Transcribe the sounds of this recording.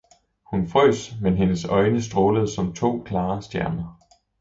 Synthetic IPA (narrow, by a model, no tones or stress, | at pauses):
hunfʁœ̰ːsmenɦe̝nəsɒ̽ɪnəs̬d̥ʁoːləð̞̩ˠsɒ̽mt͡sʰo̝̰ːkʰlɑ̈ːsd̥jæɐnɐ